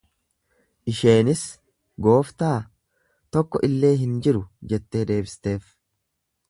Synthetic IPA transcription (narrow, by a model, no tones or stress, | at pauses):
ʔɪʃe̞ːnɪs | ɡo̞ːft̪aː | t̪ɔkːɔʔɪlːe̞ːɦɪnd͡ʒɪɾʊd͡ʒɛt̪ːe̞ːd̪e̞ːbsɪ̥t̪e̞ːf